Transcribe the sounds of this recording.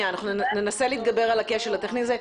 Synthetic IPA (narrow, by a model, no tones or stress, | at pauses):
anaχnunenaseliːt̪̚ɡabe̞ʁalakeʃelat̪eχnize